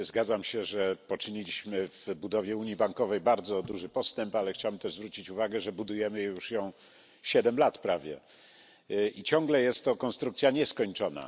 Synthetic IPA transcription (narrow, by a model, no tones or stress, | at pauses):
zɡad̪zamɕɛʐɛpɔt͡ʂɘɲilʲiɕmɘvbud̪ɔvʲjɛuɲjibaŋkɔvɛjbaɾd̪zɔd̪uʐɘpɔst̪ɛmpalɛxt͡ɕawbɛmt̪ɛʐzvɾut͡ɕit͡ɕuvaɡɛʐɛbud̪ujɛmɘjuʂjɔ̃w̃ | ɕɛd̪ɛmlat̪pɾavʲjɛ̰ | it͡ɕɔ̃ŋɡlɛjɛst̪ːɔkɔnst̪ɾukt̪sʲjaɲɛskɔɲt͡ʂɔna̰